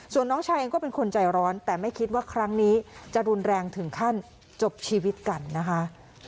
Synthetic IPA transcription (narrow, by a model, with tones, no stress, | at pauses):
su˨˩ənːɔː˦˥ŋt͡ɕʰaː˧jʔa˧kɔː˥˩pe˧nkʰo˧nt͡ɕa˧jɾɔː˦˥nt̪ɛː˨˩ma˥˩jkʰi˦˥t̪̚waː˥˩kʰɾa˦˥ŋniː˦˥t͡ɕa˨˩ʔɾu˧nɾɛː˧ŋt̪ʰɯ˨˩˦ŋkʰa˥˩n | t͡ɕo˨˩p̚t͡ɕʰiː˧wi˦˥t̪̚ka˧nːa˦˥kʰa˦˥